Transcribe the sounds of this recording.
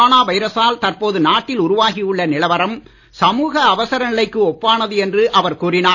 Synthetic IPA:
naːʋɐɪɾɐsaːlt̪ɐrpoːðɯnaːʈːɪlʊɾʊʋaːɣɪjɯɭːɐnɪlɐʋɐɾɐm | sɐmuːɣɐːʋɐsɐɾɐnɪlɐɪkːɯɔpːaːnɐðɯɛndrɯʔɐʋɐɾkuːrɪnaː

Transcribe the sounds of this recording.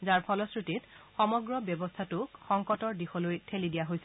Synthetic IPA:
zaɹpʰɔlɔskɹititxɔmɔɡɹɔbjɔbɔstʰatʊkxɔŋkɔtɔɹdixɔlojtʰelidijaɦojsɛ

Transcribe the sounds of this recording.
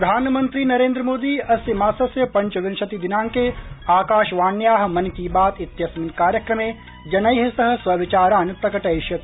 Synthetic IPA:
pɾɾɐd̪ʱaːnmɐ̃nt̪ɾiːnɐɾẽːnd̪ɾəmoːd̪iːɐsimaːsɐsjɐpɐ̃ɲt͡ʃʋɪnʃɐt̪id̪ɪnãːŋkeːaːkaːʃʋaːnjaːɦɐ̆mɐnkiːbaːt̪ɪt̪jɐsminkaːɾjɐkɾɐmẽː | d͡ʒɐnɐjɦɐsɐɦɐ̆swɐʋɪt͡ʃaːɾaːnpɾɐkɐʈɐjʃjɐt̪

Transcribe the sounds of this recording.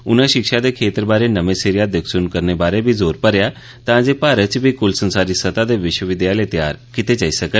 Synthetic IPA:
ʊnaʃɪkʃad̪ekʰeːt̪əɾbaːɾenəʋẽseɾɪjad̪əkʰsunkəɾnebaːɾebʱizoːɾpəɾja | t̪ãd͡ʒepaːɾət͡ʃbʱikʊlsə̃nsaːɾisət̪ad̪eʋɪʃwəʋɪd̪jalet̪ja̰ːɾkɪt̪ed͡ʒaːisəkə

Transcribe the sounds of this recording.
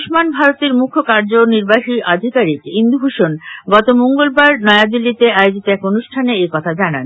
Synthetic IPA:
ʃmanbʱaɾot̪eɾmukʰːokaɾd͡ʑoniɾbaɦiʔad̪ʱikaɾikind̪ubʱuʃonɡɔt̪omoŋɡolbaɾnɔead̪ilːit̪eaeod͡ʑit̪oɛkonuʃʈʰaneekɔt̪ʰad͡ʑanan

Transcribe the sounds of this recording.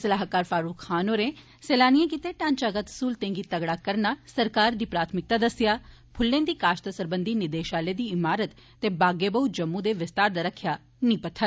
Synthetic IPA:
səlaːɦkaːɾfaːɾuːkʰxaːnoːɾẽː | seːlaːnijẽk̬iːt̪eːʈãːnt͡ʃaːɡət̪suːlt̪ẽːŋɡiːt̪əɡɽaːkəɾnaːsəɾkaːɾd̪iːpɾaːt̪ʰmɪk̚t̪aːd̪əsɪjaː | pʰʊlːẽːnd̪iːkaːʃt̪əsəɾbənd̪iːnɪd̪eːʃaːleːd̪iːɪmaːɾət̪ːeːbaːɡeːbəuːd͡ʒəmːũd̪eːʋɪst̪aːɾd̪aːɾəkʰːjaː | nĩːpət̪ʰə

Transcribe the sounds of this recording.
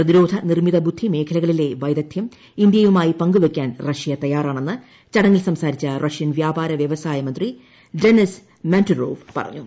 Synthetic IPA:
prɐðiɾo̞ːd̪ʱɐnirmiðɐbud̪ʱːime̞ːkʰɐlɐɣɐɭile̞ʋɐjd̪ɐd̪ʰjɐm | ind̪jɐjumaːjipɐŋɡuʋekʲːaːnrɐʂijɐt̪ɐjaːraːɳe̞nːɨ | t͡ɕɐɽɐŋːilsɐmsaːɾit͡ɕːɐrʔɐʂjɐnʋjaːbaːɾɐʋjɐʋɐsaːjɐmɐnd̪ri | ɖenis | manturo̰ːʋpɐ̰rɐ̰ɲːu

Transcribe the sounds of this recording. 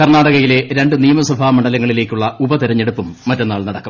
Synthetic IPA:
kɐrnaːɽɐɣɐjile̞ɾe̞ɳɖɨnijɐmɐsɐbʱaːmɐɳɖɐlɐŋːɐɭile̞ːkʲːuɭːɐubɐt̪iɾɐɲːe̞ɽupːumːɐtːɐnːaːɭnɐɽɐkːɐm

